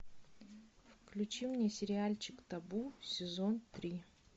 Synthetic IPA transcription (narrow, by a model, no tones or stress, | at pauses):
fklʲʉt͡ɕimnʲesʲɪɾʲɪalʲt͡ɕɪkt̪ɐbusʲɪzont̪ɾʲi